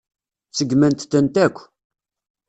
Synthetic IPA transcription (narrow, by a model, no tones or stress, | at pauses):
t͡səɡmænt̪θənt̪ækʷː